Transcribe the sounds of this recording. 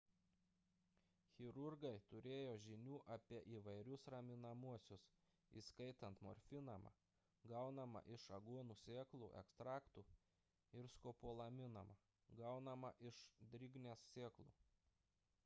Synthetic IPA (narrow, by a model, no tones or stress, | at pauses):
xʲɪɾʊɾɡɐɪt̪ʊɾʲeːjoːʒʲɪnʲuːʔɐpʲiɛʔiːʋɐɪɾʲʊsɾɐmʲɪnɐmuɔsʲʊs | ḭskɐɪt̪ɐnt̪mɔ̰ɾʲfʲɪnɐmɐ̰ | ɡɐʊnɐmɐ̰ʔɪʃɐɡuɔnuːsʲeːklˠṵːʔɛ̰kst̪ɾɑːkt̪uː | ɪɾskoːpoɔlˠɐmʲɪnɐmɐ | ɡɐʊnɐmɐʔɪʃd̪ʲɾʲɪɡnʲeːsːʲeːklˠṵː